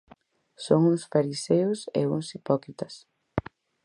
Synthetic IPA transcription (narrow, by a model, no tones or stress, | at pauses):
soŋuŋsfaɾisewsḛuŋsipɔkɾit̪ɐs